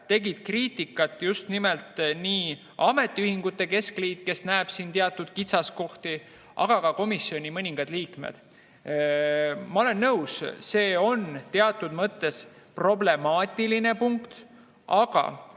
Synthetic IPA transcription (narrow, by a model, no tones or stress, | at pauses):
t̪e̞ɡid̪̥kriːt̪ikːˑɑt̪ːˑjust̪nimelt̪niː | ɑme̞t̪ːˑiyhiŋɡ̥ut̪ːˑe̞ke̞skliːt̪ke̞snæeb̥siːnt̪eɑt̪ːˑud̪̥̚kit̪sɑsko̞ht̪i | ʔɑ̰ɡ̥ɑkɑko̞misio̞nʲimɤnʲiŋɡ̥ɑd̪̥liːkmḛd̪̥ | mɑo̞le̞nːɤwsse̞ːo̞nt̪e̞ɑt̪ːˑud̪̥mɤt̪ːˑe̞s | pro̞ble̞mɑːt̪ʲːˑiline̞puŋkt̪ | ɑɡ̥ɑ̰